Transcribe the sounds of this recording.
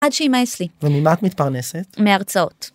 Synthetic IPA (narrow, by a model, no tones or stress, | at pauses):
adʃeimaeslivemimat̪mit̪̚paʁneset̪meaʁt͡sao̞̰t̪